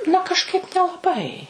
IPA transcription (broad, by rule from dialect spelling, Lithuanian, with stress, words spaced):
nɐ kɐʃˈkɐɪp nʲɛlˠɐˈbɐɪ